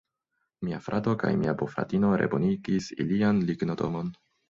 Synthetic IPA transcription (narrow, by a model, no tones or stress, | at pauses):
miafɾʔado̞ka̰jmiabofɾa̰tino̞ɾe̞̰boniɡisḭlianliɡno̞to̞̰mo̞n